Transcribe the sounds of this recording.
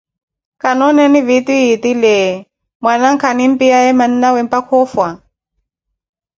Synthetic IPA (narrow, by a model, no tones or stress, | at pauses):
kanɔnɛnivit̪iit̪ilɛ | mwanaŋ̩kʰanim̩piaɛmaninawɛmpakʰɔfwa